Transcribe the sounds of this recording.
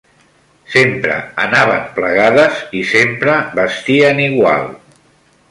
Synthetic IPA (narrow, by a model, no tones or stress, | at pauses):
sempɾə̰ə̰naβ̞əmpləɣaðəzisempɾəβəst̪iəniɣwa̰lˠ